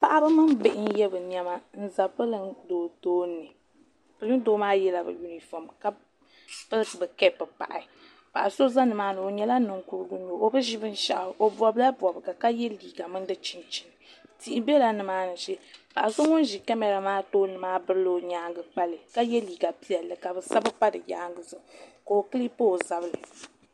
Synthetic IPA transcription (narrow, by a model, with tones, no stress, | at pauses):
pa˨ʔa˦bɨ˦mɨ˦nbɪ˨ʔɪ˦n˦jɛ˦bɨ˨ni˨ɛ˦ma˦n̩˦za˨pɨ˦lɨ˦ndoː˨toː˦nːɨ˨ | pɨ˨lɨ˦n˦toː˦maː˦jɛ˦la˨bɨ̰˨ju˦ni˨fɔ˨mka˦ | pɨ˦lbɨ˨kɛ˦pɨ˨pa̰˨ʔa˨ | pa˨ʔa˨so˦za˦nɨ˨maː˨˦nɨ˨o˨ɲɛ˦la˦nɨ˨ŋku˨ɾɨ˦ɡʊ˦ɲo˨o˦bɨ˦ʒi˦bɨ˦n̩˦ʃa̰˨ʔo˨bɔ˨bla˦bɔ˨bɨ˨ɡa˨ka˦jɛ˦liː˨ɡa˨mɨ˦n˦dɨ˦t͡ʃi˦nt͡ʃi˨n˨ | ti˨ʔi˨˦be˦la˦nɨ˨maː˦nɨ˨ʃɛ˦pa̰˨ʔso˦ŋʊ˦n˦ʒi˨kɛ˦mɛ˨ɾa˨maː˦toː˦nɨ˨maː˦bɨ˦ɾɨ˦lɨ˨ɲaː˦ŋɡɨ˨k͡pa˦lɨ˨ka˦jɛ˦liː˨ɡa˨pi˦ɛ˨lːɨ˨ka˨bɨ˨sa˦bɨ˦pa˦dɨ̰˨ja̰ː˦ŋɡɨ˨zɨ˦˨ko˨o˨kɨ˦li˦po˦˨za˨bɨ˦lɨ˨